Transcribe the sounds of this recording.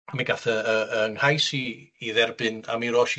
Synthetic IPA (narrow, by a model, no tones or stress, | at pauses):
miɡaθəəənhajsiːðɛrbɨna̰miɾɔːʃi